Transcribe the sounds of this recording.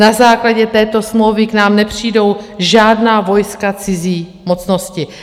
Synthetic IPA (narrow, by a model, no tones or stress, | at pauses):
nazaːklaɟɛt̪ɛːt̪o̞smlowvɪknaːmnɛpr̝̥iːdo̞wʒaːdnaːvo̞jskat͡sɪziː | mot͡sno̞scɪ